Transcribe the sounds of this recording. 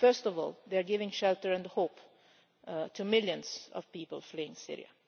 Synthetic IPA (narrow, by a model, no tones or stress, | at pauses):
fɜ˞stɔvɔ̰lˠðeaɹɡɪvɪ̃ŋʃɛlˠtəɹɛ̃nəhoːp | tʰumɪljə̃nzʌ̰v̥piːpəlˠfliɪ̃ŋsɪ̰ɹḭə̰